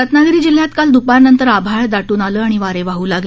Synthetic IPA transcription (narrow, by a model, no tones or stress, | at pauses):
ət̪naɡɾiːd͡ʑil̤jat̪kald̪upaɾnənt̪əɾabʱaɭd̪aʈuːnaləːaɽ̃iʋaɾeʋaɦuːlaɡ